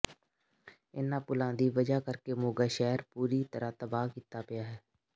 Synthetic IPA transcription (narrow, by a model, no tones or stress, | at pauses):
ɪnãːpʊlãːd̪iːʋəd͡ʒaːkəɾkemoːɡaːʃɛːɾpuːɾiːt̪əɾat̪əbaːkiːt̪aːpɪjaːɦɛː